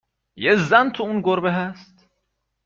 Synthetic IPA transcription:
jezænt̪ʰuunɡoɾbeɦæst̪

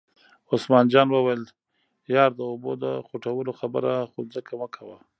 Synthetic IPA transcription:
osmɑnd͡ʒɑnwəwajl | jɑɾd̪əobod̪əxuʈawəloxabə̰ɾaxozəkʰawəkʰawa

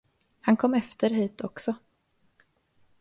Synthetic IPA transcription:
hankʰɔmːɛft̪ʰəɾɦiːt̪ʰɔksɔ

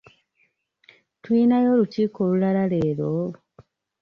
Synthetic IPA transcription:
tuinajo̞luciːkoːlulalale̞ːɾo

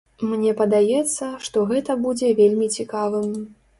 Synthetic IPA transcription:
mnʲɛpɐd̪ajɛt̪sːɐʂt̪ɔɣɛt̪ɐbud͡zʲɛvʲelʲmʲit͡sʲikavɨm

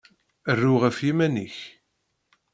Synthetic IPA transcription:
ərːuʁəfjimæniç

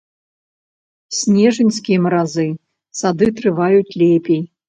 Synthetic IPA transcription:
sʲnʲɛʐɨnʲskʲijɛmɐɾazɨ | sad̪ɨt̪ɾɨvajutʲlʲɛpʲej

